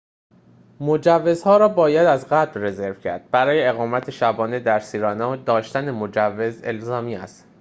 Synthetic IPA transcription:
mod͡ʒævːe̞zhɒːɾɒːbɒːjæd̪æzɣæt̪lre̞ze̞ɾvcʰæ̰ɾd̪̥̚bæɾɒːje̞ːɣɒːmæt̪ʰeʃæbɒːne̞d̪æɾsiːɾɒːnɒd̪ɒːʃt̪ænemo̞d͡ʒævːe̞ze̞̰lzɒːmiːæ̰st̪

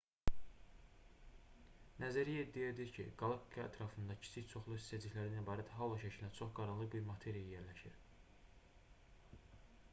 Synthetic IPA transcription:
næzæɾijed̪ːijed̪iɾcʰḭɡ̥ɑlˠɑkːiɑæ̰t̪ʰɾɑfɯnd̪ɑcʰi̥t͡ʃʰiçt͡ʃʰo̞χlˠuist̪æd͡ʒ̪içʲlæɾinæibɑːɾæd̪æɦɑlˠɑʃæcʰilæt͡ʃʰo̞χɡ̥ɑɾɑnlˠɯbiɾmɑt̪ʰe̞ɾijæjeɾlæʃiɾ

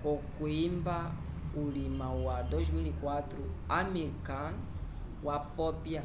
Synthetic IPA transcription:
kɔkuimbaulimawadɔʒmilikwat̪ɾuamikan | wapɔpja

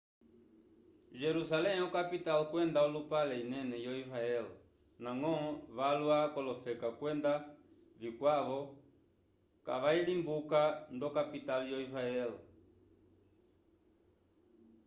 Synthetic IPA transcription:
ʒɛɾusalɛɔkapitalkwɛndaɔlupalɛinɛnɛjɔiɾaɛl | naŋɔ̃βalwakɔlɔfɛkakwɛnda | vikwaβɔ | ka̰βailimbukandɔkapitaljɔiɾaɛl

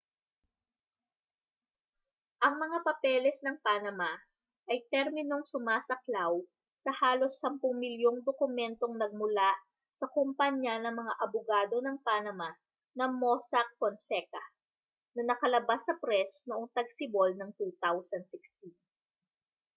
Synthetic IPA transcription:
ʔɐŋmɐŋapɐpɛlɛsnɐŋpanɐma | ʔɐjt̪ɛɾmɪno̞ŋsʊmaːsɐklaw | sɐhaːlo̞sːɐmpʊŋmɪljoŋd̪okʊmɛnt̪o̞ŋnɐɡ̚mʊlaʔ | sɐkompɐɲɐnɐŋmɐŋaʔɐbʊɡaːd̪o̞nɐŋpanɐma | nɐmosɐk̚konsɛkɐ | nɐnɐkɐlɐbasːɐpɾɛsnoʔoŋt̪ɐɡ̚sɪbolnɐŋt̪ut̪awsɐnd̪̚sɪkst̪in

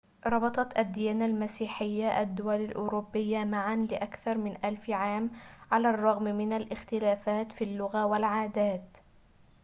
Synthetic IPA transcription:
ɾˤɑbɑt̪ˤɑt̪ʔad̪ːijaːnalmasiːħɪjːaʔad̪ːʊwalalʔʊɾʊbːɪjːamaʕanlɪʔakθɑɾˤmɪnʔalfʕaːmʕalaːrˤːɑɣmmɪnalʔɪxt̪ɪlaːfaːt̪fiːlːʊɣawalʕaːd̪aːt̪

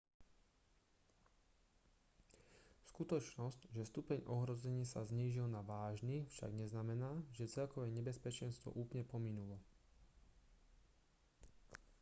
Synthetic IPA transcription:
skut̪ɔt͡ʃnɔscʒɛst̪upɛɲʔɔɦɾɔzɛɲɪasazɲiːʒilnaʋaːʒnifʃa̰ɡɲɛznamɛnaːʒɛt͡sɛlkɔʋɛːɲɛbɛspɛt͡ʃɛnst̪ʋɔ̰ʔuːplɲɛpɔminulɔ

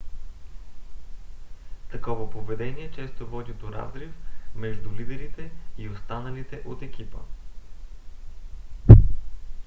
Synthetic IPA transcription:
t̪ɐkɔvəpovɛd̪ɛniɛt͡ʃɛst̪ovɔd̪ʲid̪oɾa̰zɾifmɛʒd̪ulid̪ɛɾit̪ɛiost̪anɐlit̪ɛʔot̪ɛkʲipə̰

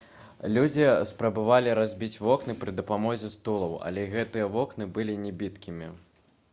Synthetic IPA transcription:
lʲud͡zʲispɾɐbavalʲiɾazʲbʲit͡sʲvɔknɨpɾɨd̪ɐpamɔzʲɛst̪ulˠɐwɐ̰lʲɛɣɛt̪ɨjɐvɔknɨbɨlʲinʲɛbʲit̪kʲimʲḭ

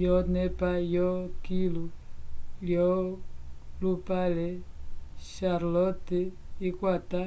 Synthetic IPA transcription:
jɔnɛpajɔkilu | ljɔ | lupalɛ | ʃaɾlɔtiikwata

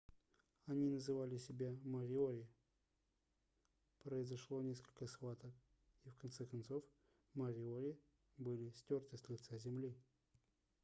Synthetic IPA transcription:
ɐnʲinəzɨvalʲɪsʲɪbʲaməɾʲɪoɾʲɪ | pɾəɪzɐʂlˠo̞nʲeskəlʲkəsxvat̪ək | ifkɐnt̪sɛkɐnt̪so̞f | məɾʲɪoɾʲɪ | bɨlʲɪsʲtʲort̪əsʲlʲɪt̪sazʲɪmlʲi

